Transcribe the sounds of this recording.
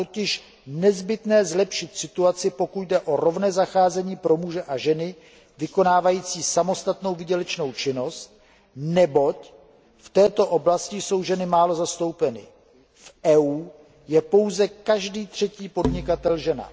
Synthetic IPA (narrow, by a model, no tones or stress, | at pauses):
t̪ocɪʃ | nɛzbɪt̪nɛːzlɛpʃɪt̪sɪt̪uat͡sɪpo̞kucdɛʔo̞ɾo̞vnɛːzaxaːzɛɲiːpɾo̞muʒɛʔaʒɛnɪ | vɪko̞naːvajiːt͡siːsamo̞st̪at̪no̞wvɪɟɛlɛt͡ʃno̞wt͡ʃɪno̞st̪̚ | nɛbo̞c | ft̪ɛːt̪o̞ʔo̞blascɪso̞wʒɛnɪmaːlo̞zast̪o̞wpɛnɪ̰ | fʔɛːuː | jɛpo̞wzɛkaʒdiːt̪r̝̥ɛciːpo̞dɲɪkat̪ɛlʒɛna̰